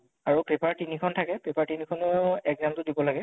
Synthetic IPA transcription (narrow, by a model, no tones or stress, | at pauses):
aɹupepaɹtinikʰɔntʰakɛpepaɹtinikʰɔnɔɛkzamtʊdibɔlaɡɛ